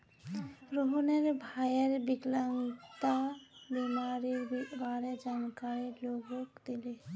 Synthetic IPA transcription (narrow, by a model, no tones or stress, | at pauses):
ɾoɦoneɾbʱajeɾbiɡlaŋt̪abimaɾiɾbibaɾed͡ʒankaɾiɾloɡokd̪ile